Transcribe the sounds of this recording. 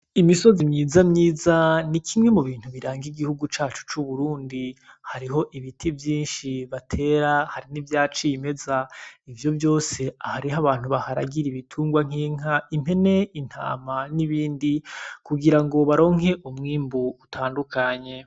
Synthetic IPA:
imiso̞zimɲiːzamɲiːzanikʰimŋe̞muβiːn̥huβiɾaːŋɡiɡihuɡut͡ʃaːt͡ʃu̥t͡ʃuβuɾuːndi | haɾiɦo̞ʔiβitʰivjiːnʃiβatʰe̞ːɾahaɾinivjaːt͡ʃime̞zaivjo̞vjo̞ːse̞ahaɾiɦaβaːn̥huβahaɾa̰ɡiɾiβitʰuːŋɡwaŋ̥iːŋ̥aim̥e̞ne̞in̥ha̰ːmaniβiːndikuɡiɾaŋɡo̞βaɾo̞ːŋɦe̞ʔumŋiːmbuːtʰaːndukaɲe̞

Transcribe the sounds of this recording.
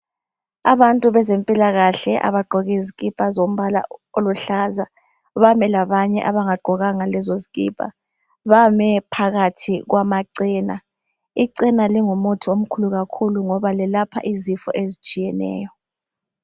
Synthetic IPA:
aβantʼuβɛzempʼilaɣaɬɛʔa̰βaɡ͡ǃʱɔɣɛziɣipʼazom̩βala̰oluɬaza | βamɛlaβaɲɛʔaβaŋaɡ͡ǃʱɔɣaŋalɛzoziɣʼipʼa̰ | βamɛpʰaɣatʰiɣwʔamaǀina | iǀinaliŋumotʰiom̩kʰuluɣakʰuluŋɔβalɛlapʰa̰ʔizifɔ̰ʔezit͡ʃʼijɛnɛ̰ːjɔ

